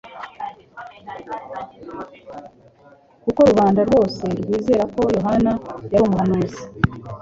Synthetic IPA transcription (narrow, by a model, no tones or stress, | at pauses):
kuko̞ɾuβaːndaɾwo̞ːse̞ɾɡwiːze̞ːɾako̞jo̞ɦanajaɾumuanazi̥